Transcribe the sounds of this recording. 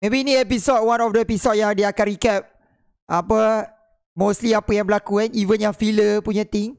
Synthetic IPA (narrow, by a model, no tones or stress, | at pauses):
mẽbiːnĩɛpisɔt̚wanɔfdəepisɔt̚jãŋdeakatɾikɛp̚ | ʔapə | mostliapəjaŋbəlakukanivənjãfiləpuɲãt̪ɪŋ